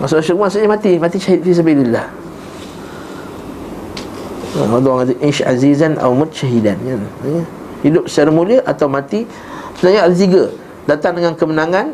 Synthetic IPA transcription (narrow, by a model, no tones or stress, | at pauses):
masʊʔaʃəkuaʔsuʔɲəmat̪imat̪iʃaɦit̪̚fis̬əbililːah | wat̪uaŋat̪ʔiʃa̰zizanʔa̰umʊt̪̚ʃaɦidanjajə | hidʊp̚səɾəmuliəʔat̪awmãt̪i | səbənaɲaalt̪̬iɡə | dat̪aŋdəŋankəmənaŋan